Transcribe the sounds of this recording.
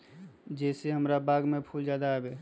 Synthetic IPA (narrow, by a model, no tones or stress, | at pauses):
d͡ʒɛseɦəmɾabaːɡmepʰuld͡ʒad̪aɦɛbe